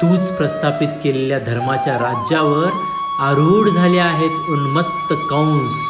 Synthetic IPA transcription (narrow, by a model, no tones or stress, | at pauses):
t̪ũːt͡spɾəst̪ʰapit̪keleljad̪ʱəɾmat͡ɕjaɾad͡ʑjaʋəɾ | aɾuːɽd͡zʱaleaɦet̪unmət̪ːəkaũs